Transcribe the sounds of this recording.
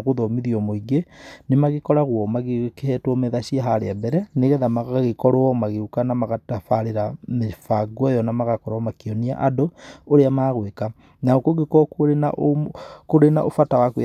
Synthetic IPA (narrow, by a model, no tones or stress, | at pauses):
ɣoðɔmiðiɔmoiɡenemaɣekɔɾaɣwɔmaɣekehɛtwɔmɛðaʃiaɦaɾeabɛɾɛneɣɛðamaɣaɣekɔɾɔɔmaɣeukanamaɣatafaɾeɾamefaɡwɔjɔnamaɣakɔɾɔmakiɔnia̰ʔadooɾeamaːɣweka | naokoɡekɔkoɾena̰ʔokoɾenaʔofatawakw